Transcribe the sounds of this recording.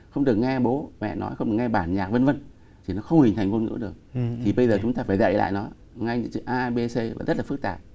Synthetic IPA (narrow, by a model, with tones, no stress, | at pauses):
xə˧wŋ͡mɗɨ˨˩ək̚ŋɛ˧ɓo˨˦mɛ̰˧˨nɔ̰˨˦jxə˧wŋ͡mɗɨ˨˩ə˩ŋɛ˧ɓaː˧˩nɲaː˨˩k̚və˧nvə˧n | t̪ʰi˨˩nɔ˨˦xə˧wŋ͡mhi˨˩ŋ̟t̪ʰjŋku˧nŋɨ̰˧˥ɗɨ˨˩ək̚t̪ʰi˨˩ɓə˧jzəː˨˩t͡ɕʊ˨˦ŋ͡mt̪aː˧faː˧˩jzə̰˧˨jla̰ː˧˨jnɔ˨˦ | ŋa˧jɲɨ̰˧˥ŋsɨ̰˧˩ʔaː˧ɓe˧se˧vaː˨˩zə˦˥t̚laː˨˩fɨ˦˥k̚t̪aː˨˩p̚